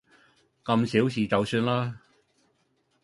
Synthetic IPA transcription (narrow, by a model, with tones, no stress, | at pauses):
kɐ˧msiː˨˥wsiː˨t͡sɐ˨wsyː˧nlaː˥